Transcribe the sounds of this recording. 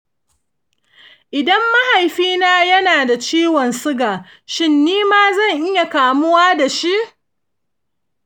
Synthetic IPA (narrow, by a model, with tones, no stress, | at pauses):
ʔɪ˨dɐ˦mːa˦ha˨jɸiː˦naː˦jɐ˦naː˨da˨t͡ʃiː˦wɔ˨nsʊ˦ɡaː˨ | ʃɪ˦nːiː˦maː˦zɐ˦˨ŋʔɪ˦ja˨kaː˨mʊ˦waː˦da˨ʃi˦ʔ